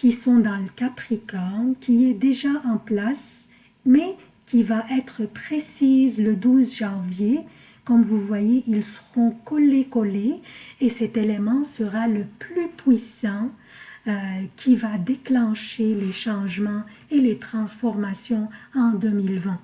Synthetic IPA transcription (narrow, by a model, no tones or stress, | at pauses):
kʲisɔ̃d̪ɑ̃ləkapχikɔkʲiɛd̪eʒaʔɑ̃plas | mɛ | kʲivaʔɛt̪χəpχesizləd̪uzʒɑ̃vje | kɔmvuvwajeʔilsəʁɔ̃kɔlekɔleːsɛt̪elemɑ̃səʁaləplypɥisɑ̃ | økʲʰivad̪eklɑ̃ʃeleʃɑ̃ʒmɑ̃ | elet̪χɑ̃sfɔʁmasjɔ̃ɑ̃d̪ømilvɛ̃